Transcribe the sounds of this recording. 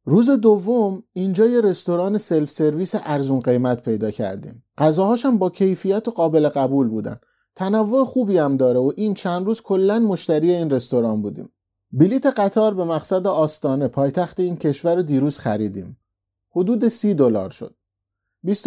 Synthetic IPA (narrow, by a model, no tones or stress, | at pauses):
ɾuːze̞d̪ovːomiːnd͡ʒɒːjeɾe̞st̪o̞ɾɒːne̞se̞lfse̞ɾviːseʔæɾzunɢe̞jmæt̪pʰe̞jd̪ɒːcʰæ̰ɾd̪ḭːmɢæzɒːhɒːʃæmbɒːcʰe̞jfijæt̪ʰoɢɒːbe̞le̞ɣæbuːlbuːd̪æ̰n | t̪ʰænævːo̞exuːbiːæmd̪ɒːɾeoʔiːnt͡ʃʰænd̪ɾuːz̥kʰo̞lːænmo̞ʃt̪æɾiːje̞iːnre̞st̪o̞ɾɒːnbuːd̪ḭːm | bilit̪ʰe̞ɣæt̪ʰɒːɾbe̞mæɣsæd̪eɒːst̪ɒːne̞pʰɒːjt̪ʰæxt̪e̞iːncʰe̞ʃvæɾod̪iːɾuːz̥xæɾiːd̪ḭːm | ho̞d̪uːd̪e̞siːd̪o̞lɒ̰ːɾʃo̰d̪̥̚ | bist̪